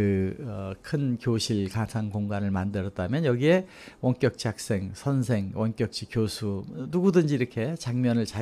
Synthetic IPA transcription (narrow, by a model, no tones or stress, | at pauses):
ɯʌkʰɯnkjoɕʰiɭkasʰaŋkoŋɡanɯɭmandɯɾʌt̚tamjʌnjʌɡie̞ | wʌŋk͈jʌk̚t͡ɕ͈iak̚s͈e̞ŋsʰʌns̬ʰe̞ŋwʌnk͈jʌk̚t͡ɕ͈ikjosʰunuɡudɯnd͡ʑiːɾʌkʰe̞t͡ɕaŋmjʌnɯɭt͡ɕa